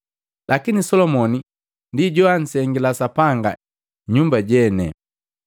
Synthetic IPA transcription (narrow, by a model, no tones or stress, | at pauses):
lʔakinisɔlɔmɔni | ndiɟɔan̩sɛŋɡilasapaŋɡa̰ | ɲumbaɟɛnɛ̰